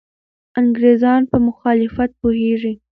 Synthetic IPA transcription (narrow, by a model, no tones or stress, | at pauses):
aŋɡɾezɑnpəmʊxɑlɪfat̪̚poheʐi